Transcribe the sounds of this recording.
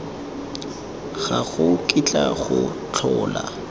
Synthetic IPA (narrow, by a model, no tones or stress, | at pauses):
ɣaɣʊkʼit͡ɬʼaɣʊt͡ɬʰɔːla̰